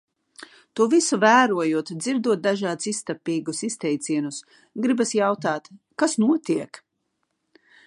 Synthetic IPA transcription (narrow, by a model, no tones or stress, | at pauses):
t̪uɔvisuvæːɾuɔjuɔt̪d̪ziɾd̪uɔd̪aʒaːd̪sist̪apːiːɡusist̪ɛjt̪sʲiɛnus | ɡɾibasjawt̪aːt̪ | kasnuɔt̪iɛk